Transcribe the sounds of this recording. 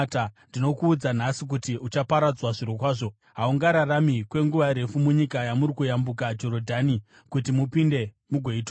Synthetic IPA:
tandino̞kuːd͡zan̤asik̬utiʔut͡ʃapaɾad͡zwaʐiɾokwaːʐo̞ | ɦauŋɡaɾaramikwe̞ŋɡuʋaɾe̞fumuɲikajamuɾikujambuk̬ad͡ʒo̞ɾodʱani | kutimupinde̞ | muɡʱweit

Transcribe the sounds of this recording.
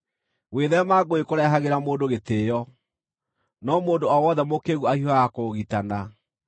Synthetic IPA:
weðɛmaɡoekoɾɛɦaɣeɾamoːndoɣeteːjɔ | nɔmoːndoɔwɔðɛmokeɣuahiajakoɣitana

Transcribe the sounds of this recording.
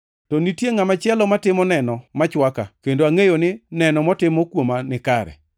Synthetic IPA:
tɔnitjeŋamat͡ʃjɛlɔmatɪmɔnɛnɔmat͡ʃwaka̰kendoaŋejonɪnɛnɔmɔtɪmɔkwomanɪkaɾɛ̰

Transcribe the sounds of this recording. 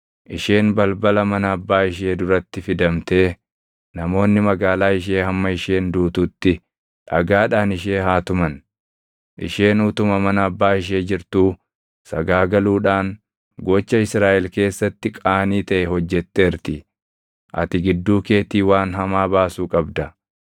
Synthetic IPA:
ʔɪʃe̞ːnbɐlbɐlɐmɐnɐɐbːaːɪʃe̞ːd̪ʊɾɐt̪ːɪfɪd̪ɐmt̪e̞ː | nɐmo̞ːnːɪmɐɡaːlaːɪʃe̞ːhɐmːɐɪʃeːnd̪uːt̪uːt̪ːɪ | ᶑɐɡaːᶑaːnɪʃe̞ːɦaːt̪ʊmɐn | ʔɪ̰ʃe̞ːnuːt̪ʊmɐmɐnɐːbːaːɪʃ̬e̞ːd͡ʒɪɾt̪uː | sɐɡaːɡɐluːᶑaːŋ | ɡɔt͡ʃːɐɪsɾaːʔɛlke̞ːsːɐt̪ːɪkʼaːniːt̪ɐʔɛhɔd͡ʒːɛt̪ːeːɾt̪ɪ | ʔɐ̰t̪ɪɡɪd̪ːuːke̞ːt̪iːwaːnɦɐmaːbaːsuːkʼɐbd̪ɐ

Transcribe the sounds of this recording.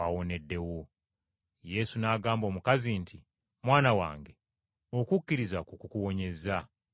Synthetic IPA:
awone̞dːe̞wo | je̞sunaːɡaːmbo̞ːmukazintʰi | mwaːnawa̰ːŋɡe̞ | o̞kukːiɾizakukukuwo̞ɲe̞za

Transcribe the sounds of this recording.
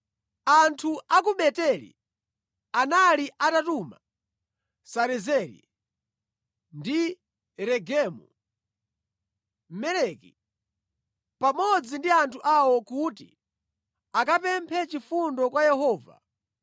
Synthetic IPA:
antʰuak̬uɓɛtɛlḭ | analiʔatatuma̰ | saɾɛzɛlḭ | ndi | ɾɛɡɛːmṵ | m̩mɛlɛkḭ | pamɔd͡zindiantʰuʔawɔkutḭ | akapɛmpʰɛt͡ʃifundɔkwajɛhɔːva̰

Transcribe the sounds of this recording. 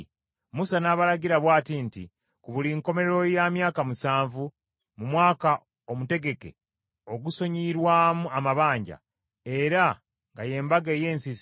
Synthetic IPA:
musanaːβalaɡiɾaβwaːtintḭ | kuβuliŋko̞me̞ɾeɾo̞jamjaːkamusaːɱvu | mumwaːka | omute̞ɡe̞ke̞̰ | o̞ɡuso̞ɲiɾwaːmuamaβaːɲɟa̰ | e̞ɾa | ŋɡaje̞ːmbaɡe̞ːje̞ːnsis

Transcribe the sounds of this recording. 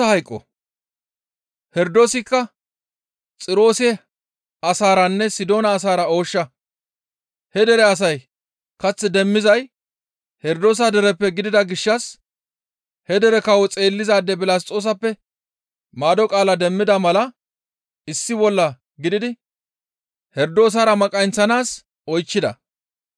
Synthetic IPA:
ɐhɐjkʼːɔ̰ | hɛɾd̪o̞ːsɪkːɐ | t͡sʼɪɾo̞ːsɛ | ɐsaːɾɐnːɛsɪd̪o̞ːnɐːs̬aːɾɐo̞ːʃːɐ | hɛd̪ɛɾɛɐs̬ɐj | kɐt͡sːɛd̪ɛmːɪzɐj | hɛɾd̪o̞ːs̬ɐd̪ɛɾɛpːɛɡɪd̪ɪd̪ɐɡɪʃːɐs | hɛd̪ɛɾɛkɐwɔt͡sʼe̞ːlːɪzaːd̪ːɛbɪlaːs̬tʼo̞ːs̬ɐpːɛ | maːd̪ɔkʼaːlɐd̪ɛmːɪd̪ɐmɐlɐ | ɪsːɪbɔlːɐ | ɡɪd̪ɪd̪ɪ | hɛɾd̪o̞ːs̬aːɾɐmɐkʼɐjnt͡sːɐnaːs | ɔjt͡ʃːɪd̪ɐ̰

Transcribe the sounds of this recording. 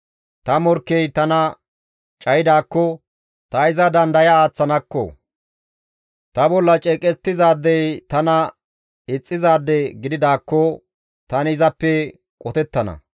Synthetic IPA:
t̪ɐmɔɾkːɛjt̪ɐnɐ | t͡ʃʼɐjɪd̪aːkːɔ | t̪ɐɪzɐd̪ɐnd̪ɐjɐaːt͡sːɐnɐkːɔ̰ | t̪ɐbɔlːɐt͡ʃʼɛːkʼɛt̪ːɪzaːd̪ːɛjt̪ɐnɐ | ɪt͡sʼːɪzaːd̪ːɛɡɪd̪ɪd̪aːkːɔ | t̪ɐnɪzɐpːɛ | kʼɔt̪ɛt̪ːɐnɐ̰

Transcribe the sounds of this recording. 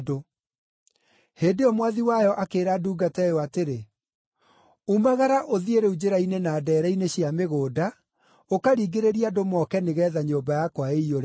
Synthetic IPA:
do | heːdeɔmwaðiwajɔʔakeːɾaduːɡatɛjɔateɾe | umaɣaɾaʔoðieɾeud͡ʑeɾainenaːdɛːɾaineɕjameɣoːda | okaɾiːɡeɾeɾiadomɔkɛneɣɛːðaɲoːmbajakwaeioɾ

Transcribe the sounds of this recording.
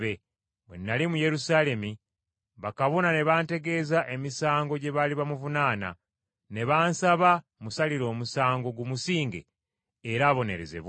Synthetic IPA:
βe | mwḛnːalimuje̞ɾusaːle̞mi | βakaβo̞nane̞βaːnte̞ɡe̞ːzaʔe̞misaːŋɡo̞ɟe̞βaliβamuvunaːna̰ | ne̞βaːnsaβa | musaliɾo̞ːmusaːŋɡo̞ɡumusiːŋɡḛː | ɾaːβo̞ne̞ɾezḛβ

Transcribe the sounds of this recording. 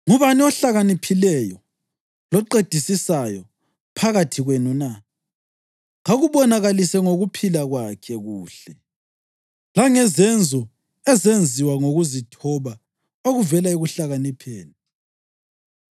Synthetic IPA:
ŋuβaniɔɬaɣanipʰilɛjɔ | lɔǃed̥ʱisisajɔ | pʰaɣatʰiɣwenuna | ŋaɣuβɔnaɣalisɛŋoɣupʰilaɣwakʰɛɣuːɬɛ | laŋɛzɛnd͡zʱɔ | ɛzend͡zʱiwaŋoɣuzitʰɔβa | oɣuvɛlaiɣuɬaɣanipʰeːni

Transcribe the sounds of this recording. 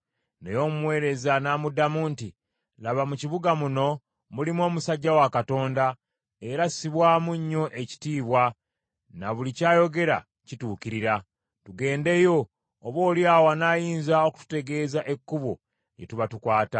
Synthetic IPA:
ne̞jo̞mumwe̞ːɾe̞zanamudamuːnti | laβamuciβuɡamuno̞ | mulimwo̞ːmusaɟːawakato̞ːnda | e̞ɾasiβwaːmuɲːo̞ʔe̞ci̥tiːβwa | naβulicaːjo̞ɡe̞ɾa̰ | cituːkiɾiɾa | tuɡe̞ːnde̞jo̞ː | βwo̞ːljaːwanaːjiːnzaoku̥tu̥te̞ɡe̞ːzaʔe̞kːuβo | jḛtuβatukwaːta

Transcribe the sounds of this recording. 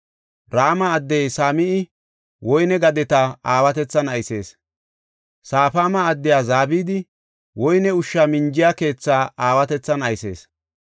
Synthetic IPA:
ɾaːmɐːd̪ːɛjsaːmɪɪ | wɔjnɛɡɐd̪ɛt̪ɐaːwɐt̪ɛt͡sːɐnɐjse̞̰ːs | saːfaːmɐːd̪ːɪjaːzaːbiːd̪ɪ | wɔjnɛʊʃːamɪnd͡ʒɪjaːke̞ːt͡sːaːaːwɐt̪ɛt͡sːɐnɐjse̞ːs

